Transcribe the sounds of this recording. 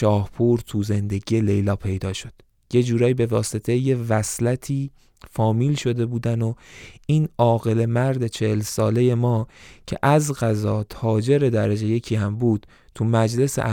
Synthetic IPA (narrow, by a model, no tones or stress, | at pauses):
ʃɒːhpʰuɾt̪ʰuze̞nd̪e̞ɟijele̞jlɒːpʰe̞jd̪ɒːʃo̞d̪̥ | je̞d͡ʒuːɾɒːjibe̞vɒːse̞t̪ʰeje̞væslæt̪ʰiː | fɒːmiːlʃo̞d̪e̞buːd̪ænoiːnɒːɣe̞le̞mæɾd̪e̞t͡ʃʰehelsɒːle̞je̞mɒːcʰe̞̰ʔæzɢæzɒːt̪ʰɒːd͡ʒe̞ɾe̞d̪æɾed͡ʒe̞je̞cʰiːhæmbuːd̪̥ | t̪ʰumæd͡ʒle̞sḛʔ